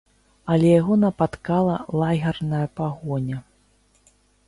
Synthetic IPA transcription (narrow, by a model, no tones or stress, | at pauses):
ɐlʲɛjaɣɔnɐpat̪kalˠɐlˠaɣʲɐrnɐjɐpaɣɔnʲɐ